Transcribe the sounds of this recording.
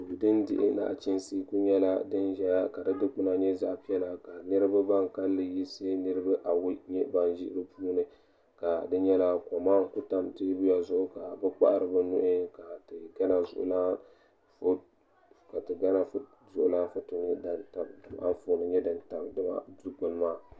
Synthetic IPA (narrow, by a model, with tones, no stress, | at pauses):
bɨ˨dɨ˦ndɪ˦ʔɪ̰˦na̰˨ʔt͡ʃɪ˦nsiː˦ku˦ɲɛ˦la˦dɨ˦nʒɛ˦ja˦ka˨dɨ˦dɨ˦k͡pʊ˦na˨ɲɛ˦za˦ʔpi˦ɛ˦la˨ka˨nɨ˦ɾɨ˦ba˦ba˦ŋka˦lːɨ˨ji˦se˦nɨ˦ɾɨ˦ba˦ʔa˨wʊ˦ɲɛ˦ba˦nʒɪ˦ʔɪ˦ɾɨ˦puː˦nɨ˨ | ka˨dɨ˦ɲɛ˦la˦ko˨maː˦ŋ̩˦ku˦ta˦mte˦bu˦ja˨zʊ˦ʔʊ˦ka˨bɨ˦k͡pa̰˦ʔɾɨ˨bɨ˦nʊ̰˦ʔɪ˦ka˨tɨ˨ɡa˦na˨zʊ̰˨ʔʊ̰˨laː˦ | f | ka˨tɨ˨ɡa˦na˨f | zʊ˦ʔʊ˦laː˦fʊ˦tu˨ɲɛ˦da˨nta˨mdɨ˨m˦ʔa̰˦n˦foː˨˦nɨ˨ɲɛ˦dɨ˨nta˨mdɨ˦ma̰˦du˦ɡ͡bʊ˨n˦maː˦˨